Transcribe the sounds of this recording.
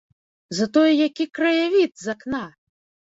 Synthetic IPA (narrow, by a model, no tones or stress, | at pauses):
zɐt̪ɔjɛjakʲikɾɐjavʲit̪zakna